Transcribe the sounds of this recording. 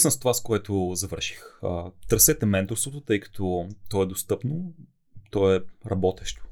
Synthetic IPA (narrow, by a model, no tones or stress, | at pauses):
səmst̪ovaskoɛt̪ozɐvɤɾʃi̥xət̪əɾsɛt̪ɛmɛnt̪oɾfst̪vot̪ot̪ɤjkɐ̥t̪ʰɔt̪ɔɛd̪ost̪ɤpno | t̪ɔɛɾɐbɔt̪ɛʃt̪ʊ̥